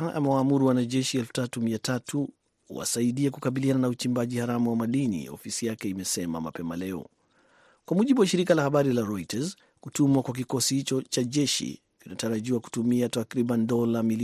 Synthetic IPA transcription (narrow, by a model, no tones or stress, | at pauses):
a̰mɛwaːmuɾuwanaʄɛʃiɛlfu̥tatumiatatʰu | hṵwa̰saiɗiakukaɓiliananaut͡ʃimbaʄihaɾamuwamaɗinḭɔ̰fisijakɛimɛsɛma̰ma̰pɛmalɛɔ̰ | kwamuʄiɓuwaʃiɾikalahaɓaɾilaɾɔitaz | kutumwakwak̬ikɔsihit͡ʃɔt͡ʃaʄɛʃḭ | kinataɾaʄiwaku̥tumiatakɾiɓandɔlamili